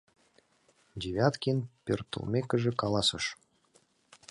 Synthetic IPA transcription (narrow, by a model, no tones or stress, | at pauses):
dʲeβʲɑt̪kʲinpʲørt̪ə̰lˠmʲekə̆ʒɘ̆kɑlˠɑsɤʃ